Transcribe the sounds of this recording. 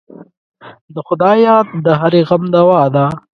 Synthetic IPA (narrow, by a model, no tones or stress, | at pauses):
d̪əxʊd̪ɑːjɑːd̪̚ːəɦaɾeɣamd̪awɑːd̪a